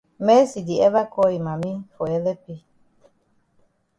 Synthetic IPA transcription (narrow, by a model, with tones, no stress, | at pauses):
mɛ˦si˨di˨ɛ˦βa˦kɔ˦i˨mã˨mĩ˦fɔ˨ɛ˦lɛ˦pi˦